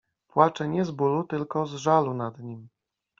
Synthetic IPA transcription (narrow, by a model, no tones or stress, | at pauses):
pwat͡ʂɛɲɛzbulut̪ɘlkɔzʐalunad̪ɲim